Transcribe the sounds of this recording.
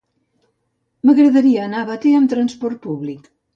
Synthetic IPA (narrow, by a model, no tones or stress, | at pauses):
məɣɾəðɐɾiaːnaβat̪eəmt̪ɾɐnspɔɾt̪̚puβlik